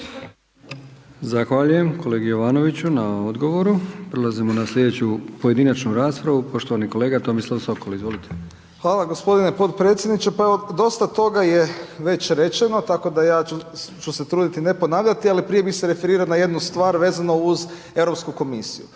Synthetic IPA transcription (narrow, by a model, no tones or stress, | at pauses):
zaxʋaʎujemkʰo̞le̞ːɡijoʋaːno̞ʋit͡ɕunaod̪ɡo̞ʋo̞ɾupɾelazimonaslʲʎʲje̞d̪et͡ɕupoje̞d̪inat͡ʃnuɾaːspɾaʋupo̞ʃt̪oʋaniko̞le̞ːɡat̪o̞mislˠaʋso̞kolizʋo̞lit̪ʰe | xʋaːlˠaɡo̞spo̞d̪inepo̞t̪pɾe̞ːt̪sje̞d̪nit͡ʃepaeʋod̪o̞st̪at̪o̞ɡaje̞ʋe̞t͡ʃɾe̞t͡ʃe̞no̞t̪ako̞d̪ajaːut͡ʃuse̞t̪ɾuːd̪it̪ine̞po̞naːʋʎʲat̪ialipɾije̞bixseɾe̞fe̞ɾiːɾaonaje̞d̪nust̪ʋaːɾʋe̞ːzano̞uz | e̞ʋɾo̞pskuko̞misijṵ